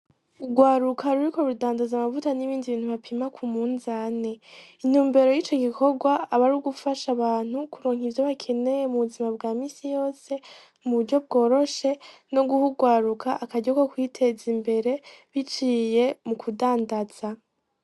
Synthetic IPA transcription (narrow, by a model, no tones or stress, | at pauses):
uɡwaːɾukʰaɾuɾiko̞ɾudaːndazamavutaniβiːndiβiːnhuβapʰimakʰumuːnzaːne̞in̥uːmbe̞ɾo̞jiːt͡ʃo̞ɡikʰo̞ɡwaːβaɾuɡufaʃaβaːn̥hukuɾoːŋivjoβakʰe̞ne̞je̞muβuzimaβɡaːmiːsijo̞ːse̞ | muβuɾɟo̞bɡo̞ːɾo̞ʃe̞no̞ɡuhuɡwaːɾukʰaʔːkaɟako̞kwiːtʰe̞zimbe̞ɾe̞βit͡ʃije̞mukʰudaːndaz̥a